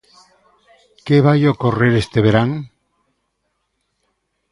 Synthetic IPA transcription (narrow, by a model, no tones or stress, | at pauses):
keβajokoreɾest̪eβeɾaŋ